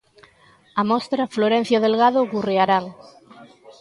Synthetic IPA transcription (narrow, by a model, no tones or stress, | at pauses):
amost̪ɾafloɾen̟θjoðelɣaðokureaɾaŋ